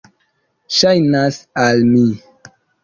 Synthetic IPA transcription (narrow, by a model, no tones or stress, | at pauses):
ʃajnasalmi